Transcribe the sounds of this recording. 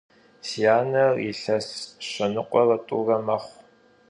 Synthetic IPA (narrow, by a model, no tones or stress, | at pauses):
sijaːnɐrḭɬɐsɕʷɐnɨqʷʼɔrɐtʼṵːrɐmɐχʷ